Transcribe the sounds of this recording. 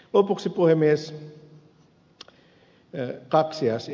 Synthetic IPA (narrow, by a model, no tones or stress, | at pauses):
lopuksipuhemːˑies | kɑksiɑs